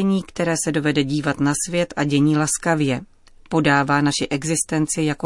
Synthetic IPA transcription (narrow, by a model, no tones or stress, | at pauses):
ɛɲiːkt̪ɛɾɛːsɛdo̞vɛdɛɟiːvat̪nasvjɛt̪ʔaɟɛɲiːlaskavjɛ | po̞daːvaːnaʃɪʔɛɡzɪst̪ɛnt͡sɪjako